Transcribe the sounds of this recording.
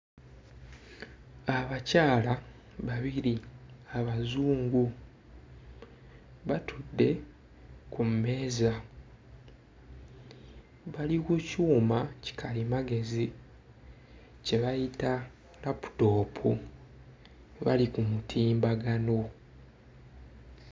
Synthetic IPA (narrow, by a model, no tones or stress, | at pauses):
aβacaːla | βaβiɾiaβazuːŋɡu | βatʰudːe̞ | kumme̞ːza | βalikucuːmaci̥kʰalimaɡe̞zi | ce̞βajita | lapu̥to̞ːpʰu | βa̰likumutʰiːmbaɡano̞